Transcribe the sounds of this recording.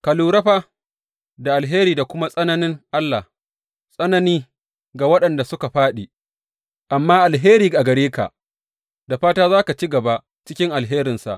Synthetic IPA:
kɐ˨luː˨ɾɐ˦ɸaː˦ | da˨ʔa˨lɦeː˦ɾiː˨da˨kʷʊ˦ma˦sʼɐ˦nɐ˦nɪ˦ŋʔa˦lːa˨h | sʼɐ˦nɐ˦niː˦ | ɡa˨wɐ˦ɗɐ˨nda˨sʊ˦ka˨ɸaː˦ɗi˨ | ʔa˨mːaː˦ʔa˨lɦeː˦ɾiː˨a˨ɡɐ˨ɾeː˦ka̰˨ʔ | da˨ɸaː˦taː˦zaː˦ka˨t͡ʃi˦ɡɐ˨ba˦ | t͡ʃɪ˦kʲɪ˦ŋʔa˨lɦeː˦ɾɪ˨nsa̰˨ʔ

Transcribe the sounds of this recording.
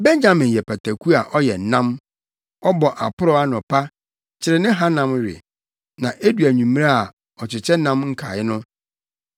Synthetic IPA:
bɛ̃˦ɲ˦ã˨mɪ̃˨jɛ˨pʰæ˨tʰæ˨kʰu˦a˨ʔɔ˦jɛ˨n˨nã˦m | ɔ˦bɔ˨ʔa˨pʰʊ˦ɾɔ˦a˦nʊ̃˨pʰa˦ | t͡ɕʰɪ˨ɾɪ˨nɪ̃˦ɦa˦nã˦mɾɪ̰˨ | nã˨ʔe˦du˨æ˨ɲũ˨m˦ɾa˦a˨ | ɔ˨t͡ɕʰɪ˨t͡ɕʰɛ˦nã˦mŋ̩˦kʰa˨ɪ˦nʊ̃˦

